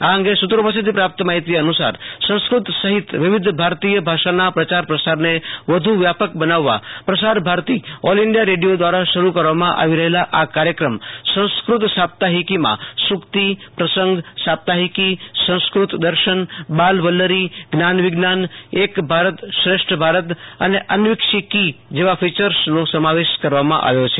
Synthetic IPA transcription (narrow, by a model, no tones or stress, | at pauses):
aɦə̃ŋɡesut̪ɾəpəsit̪ipɾap̚t̪maɦit̪ijɐnusa̰ɾsə̃w̃skɾʊt̪səɦɪt̪ʋɪʋɪd̪ʱbʱaɾt̪iːjəbʱaʃanapɾət͡ʃaɾpɾəsaɾneʋəd̪ʱuʋjapəkbənaʋːa̰pɾəsaɾbʱaɾt̪ioliɳɖijaɾeɖijod̪ʋaɾaʃɐɾukəɾʋamãʔa̰ʋiɾəɦelaʔakaɾjəkɾəmsə̃w̃skɾʊt̪sap̚t̪aɦikimã̰sʊkt̪ipɾəsə̃ŋɡsap̚t̪aɦikisə̃w̃skɾut̪d̪əɾʃənbalʋəlːəɾiɡnanʋɪɡnanekbʱaɾət̪ʃɾeʃʈɾəbʱaɾət̪ə̰neʔənʋɪkʃikid͡ʒeʋafit͡ʃəɾsnõsəmaʋeʃkəɾʋamã̰ʔa̰ʋjot͡ʃʰe